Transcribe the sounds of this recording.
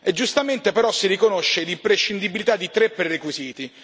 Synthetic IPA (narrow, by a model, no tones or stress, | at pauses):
ed͡ʒːust̪ament̪epeɾɔsːiɾikonoʃːed̪impɾeʃːind̪ibilit̪ad̪ːit̪ɾepːerrekwiziːt̪i